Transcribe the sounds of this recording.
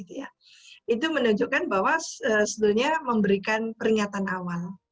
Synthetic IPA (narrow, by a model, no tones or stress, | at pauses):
it̪uja | it̪umənuɲd͡ʒukanbawasəsəbuɲaməmbəɾikanpəɾiŋat̪anawal